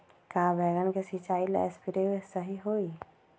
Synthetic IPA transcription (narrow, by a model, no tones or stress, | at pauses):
kaːbɛːɡənkesit͡ʃaːilɛ̰ːspʰiɾeesəɦiɦoːi